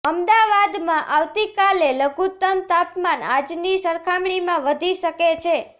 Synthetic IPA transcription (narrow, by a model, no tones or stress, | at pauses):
əmd̪aʋad̪mãʔaʋt̪ikaleləɡʱut̪əmt̪apmana̰d͡ʒnisəɾkʰamɽimãʋəd̪ʱiʃəket͡ʃʰe